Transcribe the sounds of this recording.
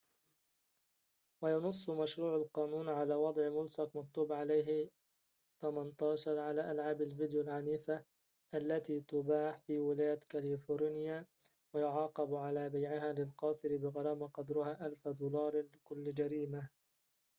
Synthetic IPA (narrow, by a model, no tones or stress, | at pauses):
wajɑnʊsˤːmaʃɾuːʕalqɑːnuːnʕalaːwɑd̪ˤʕmʊlsaqmakt̪uːbʕalajɦ | t̪amant̪ˤɑːʃɑɾˤʕalaːʔalʕaːbalvɪd̪joːlʕaniːfa | ʔalːat̪iːt̪ʊbaːħfiːwɪlaːjt̪kalifoːɾnɪjaː | wajʊʕɑːqɑbʕalaːbajʕɪɦaːlɪlqɑːsˤɨɾɪbɪɣɑɾˤɑːmaqɑd̪ɾʊhaːʔalfd̪uːlɑːɾˤlɪkʊlːd͡ʒaɾiːma